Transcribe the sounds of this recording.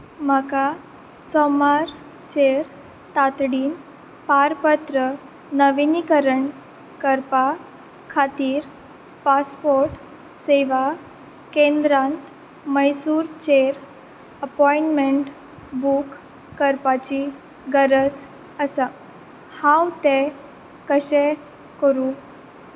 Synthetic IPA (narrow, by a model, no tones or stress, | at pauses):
m̤aka | sɔmaɾ | t͡ɕeɾ | t̪at̪ɽiːn | paɾpət̪ɾə | nəʋinikəɾəɳ | kəɾpa | kʰat̪iːɾ | paspoɾʈ | seʋa | kẽnd̪ɾãnt̪ | məjsuːɾt͡ɕeɾ | əpɔiɳʈmeɳʈ | bukː | əɾpat͡ɕi | ɡəɾət͡s | əsa | hãwt̪ɛ̃ | kəɕɛ | kəɾu